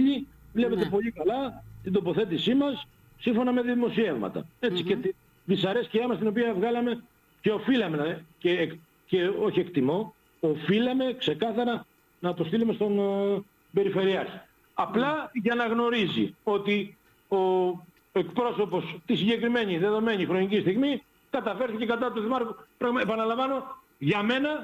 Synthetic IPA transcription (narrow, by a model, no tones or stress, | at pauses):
i | vle̞pe̞t̪e̞po̞ʎikɐlɐt̪ind̪o̞po̞θe̞t̪̬isimɐsː | iɱfo̞nɐme̞ðiðimo̞sie̞vmɐ̰t̪ɐ̰e̞t͡sicet̪ | ðisɐɾesciɐmɐst̪ino̞p̬iɐvɣɐlɐme̞ | ce̞o̞filɐme̞nɐcek | ceo̞çiekt̪imo̞ | ofilɐme̞kse̞kɐθɐɾɐ | nɐːpost̪ilume̞st̪o̞n | be̞ɾife̞ɾiɐçi̥ | ɐplɐʝɐnɐɣno̞ɾizḭo̞t̪i | o̞ | e̞kpɾo̞so̞po̞st̪isiɲɟe̞kɾime̞ɲiðe̞ðo̞me̞ɲixɾo̞ɲicist̪iɣmi | kɐt̪ɐfe̞ɾθice̞kɐt̪ɐt̪uðimɐɾkupɾɐɣepɐnɐlɐɱvɐno̞ | ʝɐme̞nɐ